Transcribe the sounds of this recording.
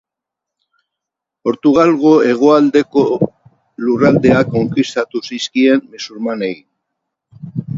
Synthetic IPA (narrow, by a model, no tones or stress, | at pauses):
o̞ɾt̪uɣ̞alɣoe̞ɣ̞o̞ald̪e̞ko̞ | lurald̪e̞ako̞ŋkist̪at̪usiskie̞mmisuɾmane̞ɣin